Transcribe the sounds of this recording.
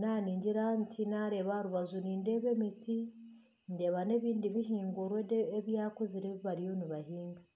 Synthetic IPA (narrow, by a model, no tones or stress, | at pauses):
naːniːɲɟiɾantinaɾe̞ːβaɾuβazuniːnde̞βe̞mitʰi | nde̞ːβane̞βiːndiβiɦiːŋɡoɾweeβjaːkoziɾiβiβaɾijoniβahiːŋɡa